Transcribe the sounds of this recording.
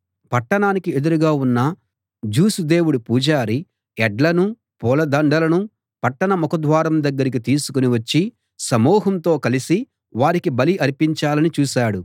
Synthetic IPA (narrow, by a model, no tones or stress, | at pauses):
pɐʈːɐɳaːnikie̞d̪uɾuɡaːunːɐ | d͡ʒuːsud̪e̞ːwuɽupuːd͡ʒaːɾi | ɛɖlɐnu | pɔːlɐd̪ɐɳɖɐlɐnu | pɐʈːɐɳɐmɔkɐd̪ʋaːɾɐmd̪ɐɡːɐɾik̬it̪iːsu̥kuniʋɐt͡ʃːi | sɐmɔːɦɐmt̪o̞ːkɐlisi | ʋaːɾikibɐliʔɐɾipiɲt͡ʃaːlɐnit͡ʃuːsaːɽu